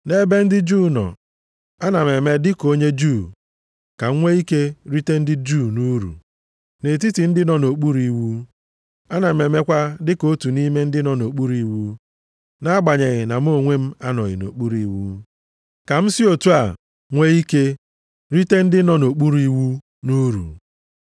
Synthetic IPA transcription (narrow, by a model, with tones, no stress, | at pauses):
ne˦be˦n̩˦dɪ˦d͡ʒuː˦˨nɔ̰˨ | a˦na˨me˨me˦dɪ˦ko˦ɲe˦d͡ʒu˦˨ | ka˨˦ŋʷe˦i˦ke˦ɾi˦te˦n̩˦dɪ˦d͡ʒu˦˨nu˦ɾṵ˨ | ne˨ti˦tɪ˨n̩˦dɪ˦nɔ˨no˨k͡pu˦ɾi˨wu˦ | a˦na˨me˨me˦kʷa˦dɪ˦ko˦tu˨ni˦me˦n̩˦dɪ˦nɔ˨no˨k͡pu˦ɾi˨wu˦ | na˦a˦ɡ͡ba˨ɲe˨ɣɪ˨na˨m̩˦o˦˨ŋʷe˦m̩˦a˦nɔ˨ɣɪ̰˨no̰˨k͡pu˦ɾi˨wṵ˦ | ka˨m̩˦si˦o˨tu˦a˨ | ŋʷe˦i˦ke˦ | ɾi˦te˦n̩˦dɪ˦nɔ˦no˨k͡pu˦ɾi˦wu˦ | nu˦ɾṵ˨